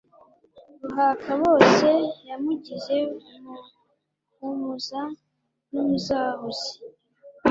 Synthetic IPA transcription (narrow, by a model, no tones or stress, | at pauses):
βuɦakʰaβo̞ːse̞jamuɟiʒe̞ | mu | umuza | numuzaːɦozi̥